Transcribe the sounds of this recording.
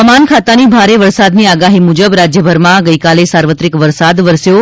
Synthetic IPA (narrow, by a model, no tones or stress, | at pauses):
əmankʰat̪anibʱaɾeʋəɾsad̪niaɡaɦimud͡ʒəbɾad͡ʒjəbʱəɾmãɡəjkalesaɾʋət̪ɾikʋəɾsad̪ʋəɾsjo